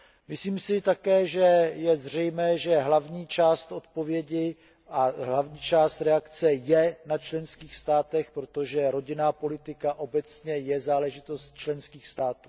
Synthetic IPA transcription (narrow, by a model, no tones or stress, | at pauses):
mɪsliːmsɪt̪akɛːʒɛjɛzr̝ɛjmɛːʒɛɦlavɲiːt͡ʃaːst̪ʔo̞t̪po̞vjɛɟɪ | ʔaɦlavɲiːt͡ʃaːst̪ɾɛakt͡sɛjɛnat͡ʃlɛnskiːxst̪aːt̪ɛxpɾo̞t̪oʒɛɾo̞ɟɪnaːpo̞lɪt̪ɪkaʔo̞bɛt͡sɲɛjɛzaːlɛʒɪt̪o̞st̪̚t͡ʃlɛnskiːxst̪aːt̪u̥ː